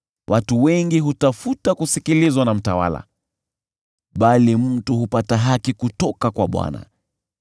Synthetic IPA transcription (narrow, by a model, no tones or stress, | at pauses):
wʔatuwɛŋɡiɦutafutakusikilizwanam̩tawa̰la̰ | ɓalim̩tuhupataɦakikutɔkakwaɓwa̰na̰